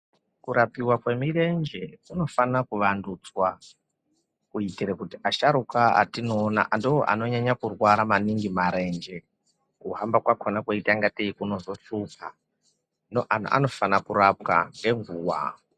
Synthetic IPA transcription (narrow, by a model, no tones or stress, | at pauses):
kuɾapiwakwe̞miɾend͡ʒekuno̞fanakuʋandut͡swa | kuitiɾekutiaʃaɾukaa̰tino̞ːna̰ʔandooʔa̰no̞ɲaɲakurwaɾamaniŋɡimaɾe̞nd͡ʒe | kuɦambakwakonakuitaŋɡateikuno̞zo̞t͡ʃupʰa | noʔan̤̰ʔa̰no̞fanakuɾapka̰ŋɡe̞ŋɡuːwa̰